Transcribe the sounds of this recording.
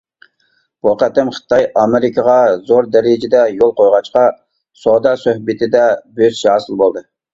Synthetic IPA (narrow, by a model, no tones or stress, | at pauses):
buqæt̪ɪmχə̥t̪ɑjɑmɪɾɪkʰɑʁɑzoɾd̪ɛɾɪd͡ʒɪd̪ɛjolˠqojʁɑt͡ʃqɑ | sod̪ɑsøhbɪt̪ʰɪd̪ɛbøzʃɑːsɨlˠbolˠd̪ɨ